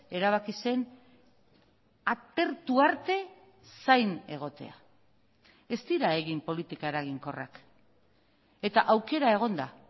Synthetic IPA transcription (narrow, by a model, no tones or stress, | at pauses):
e̞ɾaβ̞akise̞n | at̪e̞ɾt̪uaɾt̪e̞ | sajne̞ɣ̞o̞t̪e̞̰a̰ | e̞st̪iɾae̞ɣimpo̞lit̪ikae̞ɾaɣ̞iŋko̞ra̰k | e̞t̪aʔawke̞ɾae̞ɣ̞o̞nd̪a